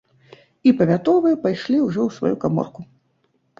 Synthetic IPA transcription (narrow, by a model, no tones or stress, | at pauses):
ipɐvʲat̪ɔvɨɛpajʂlʲiwʐɔwsva̰jukamɔ̰rku